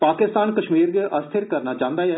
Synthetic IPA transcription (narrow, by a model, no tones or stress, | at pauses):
paːkɪst̪aːnkəʃmiːɾɡʔəst̪ʰɪɾkəɾnaːt͡ʃãːnd̪aːɛː